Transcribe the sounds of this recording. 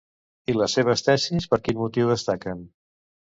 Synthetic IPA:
iləsːeβ̞əst̪ɛsispəɾkinmut̪iwðəst̪akən

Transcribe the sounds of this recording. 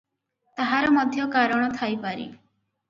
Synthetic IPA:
t̪aɦaɾɔmɔd̪ʱjɔkaɾɔɽ̃ɔt̪ʰajpaɾḭ

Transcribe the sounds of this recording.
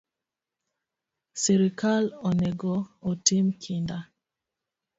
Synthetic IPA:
seɾikalɔnɛɡootimkʰinda

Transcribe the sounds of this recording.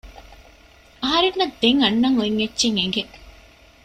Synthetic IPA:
ɐɦɐɾinːɐd̪eŋɐnːɐŋoiŋːet͡ʃːt͡ʃːiŋeŋɡe

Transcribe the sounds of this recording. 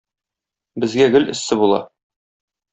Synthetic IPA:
bɘ̆zɡæɡɵlɘ̆sːɘbulˠɑ̰

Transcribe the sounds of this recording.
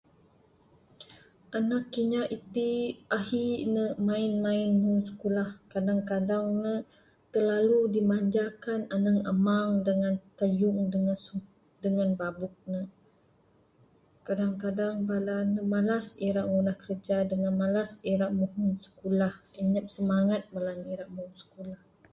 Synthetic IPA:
ʔanakːiɲaʔit̪iʔahinəmaɪnmaɪnmusə̥kulahkadaŋkadaŋnə | t̪ərlaludimaɲd͡ʒakananəŋə̰maŋdəŋant̪əjʊŋdəŋansu | dəŋanbabuk̚nə | kadaŋkadaŋbalanəmalasiɾaʔŋunahkəɾəd͡ʒadəŋanmalasiɾaʔmuɦunsə̥kulahəɲəp̚səmaŋat̪̚malaniɾaʔmuhunsə̥kulah

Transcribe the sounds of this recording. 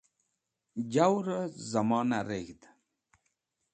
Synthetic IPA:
d͡ʑawɾəzɐmɑːnaɾeɡd̪

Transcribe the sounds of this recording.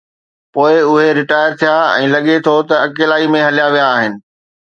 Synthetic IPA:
poːɪʊɦeɾɪʈaːɪəɾt̪ʰijaɛ̰̃ːlɐɠet̪ʰot̪ɐɐkeːlaːimẽɦɐlijaʋijaːɦɪnɪ̆

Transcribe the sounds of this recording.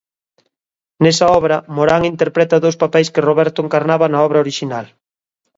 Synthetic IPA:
nɛsɐɔβɾɐmoɾaŋint̪eɾpɾɛt̪ɐðowspapɛjskɪroβɛɾt̪oeŋkaɾnaβɐnɐɔβɾɐoɾiʃinal

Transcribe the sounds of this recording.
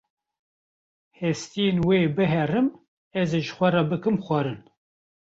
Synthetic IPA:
hɛst̪ijenweːbɨɦɛrɨm | ɛzeʒɨxʷɛrɑbɨkɨmxʷɑɾɨn

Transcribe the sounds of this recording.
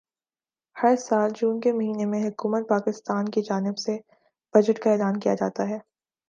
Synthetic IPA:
hɐɾsaːld͡ʒuːnkemɐɦiːnemẽɦʊkuːmət̪̚paːkɪst̪aːnkid͡ʒaːnɪbse | b̥ɐd͡ʒəʈkaɛːlaːnkijad͡ʒa̰ːt̪aɦɛː

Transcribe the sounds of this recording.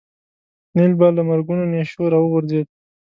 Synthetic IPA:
nilbalamaɾɡunoneʃoɾɑwəɣʊɾzed̪̚

